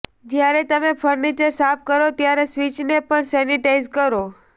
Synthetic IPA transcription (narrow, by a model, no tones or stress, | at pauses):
d͡ʒjaɾet̪əmẽpʰəɾnit͡ʃəɾsap̚ʰkəɾot̪jaɾesʋit͡ʃnepəɳsɛniʈaizkəɾo